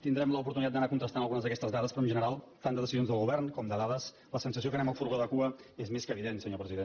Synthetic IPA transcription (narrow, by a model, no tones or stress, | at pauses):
t̪ind̪ɾɛmləupuɾt̪unit̪at̪d̪ənakunt̪ɾəst̪anəlˠɣunəzðəkɛst̪əzðaðəspɾɔənʒənəɾalˠt̪and̪əðəsizionzðəlˠɣuβɛrnkɔmd̪əðaðəs | ləsənsəs̬iokənɛməlˠfuɾɣoðəkuəezmeskəβiðensəɲopɾəziðen